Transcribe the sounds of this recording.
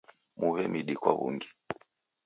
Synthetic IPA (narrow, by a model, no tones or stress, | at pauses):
muβɛmiɗikwa̰βṵŋɡi